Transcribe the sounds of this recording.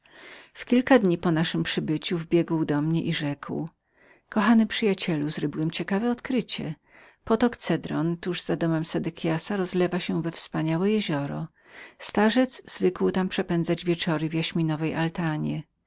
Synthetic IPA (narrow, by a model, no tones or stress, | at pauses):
fkʲilkad̪ɲipɔnaʂɘmpʂɘbɘt͡ɕuvbʲjɛɡwd̪ɔmɲɛʔiʐɛkw | kɔxanɘpʂɘjat͡ɕɛluzɾɪbiwɛmt͡ɕɛkavɛɔt̪kɾɘt͡ɕɛ | pɔt̪ɔkt̪sɛd̪ɾɔnt̪uʐzad̪ɔmɛmsɛd̪ɛkʲʰjasaɾɔzlɛvaɕɛvɛfspaɲawɛjeʑɔɾɔ̰ | st̪aʐɛd̪zz̥vɘkwt̪ampʂɛpɛndzad͡ʑvʲjɛt͡ʂɔɾɘvʲjaɕmʲinɔvɛjʔalt̪aɲɛ